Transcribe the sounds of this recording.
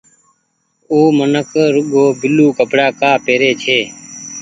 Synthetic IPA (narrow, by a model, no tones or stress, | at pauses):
oːmənəkɾʊɠoːbɪluːkəpɽaːkaːpeːɾeːt͡ʃʰeː